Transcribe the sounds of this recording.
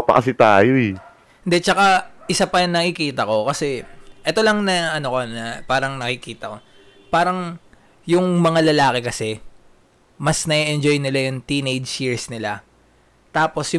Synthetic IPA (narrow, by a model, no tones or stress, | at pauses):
pɐ̰ʔɐsɪt̪a̰ːjoɛ | hɪnd̪ɛt͡ʃɐkaʔɪsapɐjɐŋnɐkɪkiːt̪ɐko̞kɐsɛʔɛt̪o̞lɐŋnɐʔɐno̞konɐpaːɾɐŋnɐkɪkiːt̪ɐko̞ | paːɾɐŋ | jʊŋmɐŋalɐlaːkɛkɐsɛ | mɐsnɐɛʔɛnd͡ʒo̞jnɪlajʊŋt̪iːnejdd͡ʒjiɹsnɪla | t̪aːpo̞sj